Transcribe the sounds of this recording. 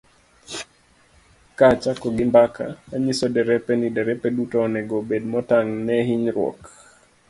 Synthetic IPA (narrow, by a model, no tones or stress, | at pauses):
kat͡ʃakɔɡimbakʰa̰aɲisɔdɛɾɛpɛnidɛɾɛpɛdutɔnɛɡobedmɔtaŋnɛɦiɲɾwɔ̰k